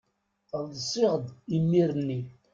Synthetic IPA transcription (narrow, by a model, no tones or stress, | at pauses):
ððsˤɪʁd̪imːiɾənːi